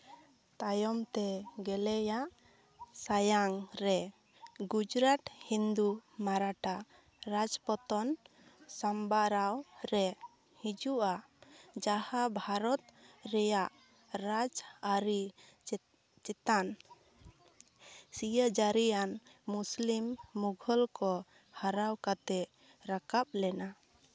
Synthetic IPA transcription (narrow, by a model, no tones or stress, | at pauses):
t̪ajɔmt̪ɛɡɛlɛjaʔ | sajaŋɾɛ | ɡud͡ʒɾaʈ̪hind̪umaɾaʈa | ɾad͡ʒpɔt̪ɔn | sambaɾawɾɛ | hid͡ʒuʔa | d͡ʒahabʱaɾɔt̪̚ɾɛjaʔ | ɾad͡ʒaɾi | t͡ʃɛt̪an | sijəd͡ʒaɾijanmuslimːuɡʱɔlkɔ | haɾawkat̪ɛ | ɾakap̚lɛna